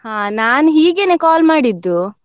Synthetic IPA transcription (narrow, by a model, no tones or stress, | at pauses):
haːnaːnɦiːɡeːneːkaːlmaːɽid̪ːu